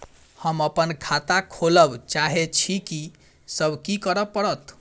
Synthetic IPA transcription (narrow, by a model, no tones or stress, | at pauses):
həməpənkʰat̪akʰoləbt͡ʃaɦet͡ʃʰiki | səbʱkikəɾəpːəɽət̪